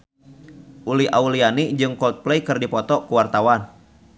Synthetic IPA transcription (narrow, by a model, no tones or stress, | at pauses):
ʔuliʔaulianid͡ʒɨŋkɔlt̪̚plɛjkɨrdipɔt̪ɔkuwart̪awan